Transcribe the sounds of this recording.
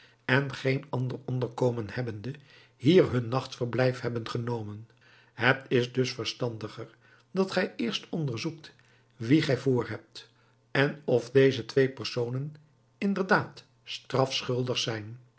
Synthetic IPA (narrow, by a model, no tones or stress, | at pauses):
ɛnχejnɑndərɔndəɹkowmənhɛbəndə | hiːɹɦɵnːɑχtfəɹblɛjfhɦɛbənχənowmən | ɦətɪzdɵsfəɹstɑndəχəɹ | d̥ɑtχɛjɪːɹstɔndəɹzuk̚t | ʋiχɛjvoːɹɦɛp̚t | ɛnɔfdejzətʋejpərsownən | ɪndəɹdaːt | strɑfsχɵlˠdəχsɛjn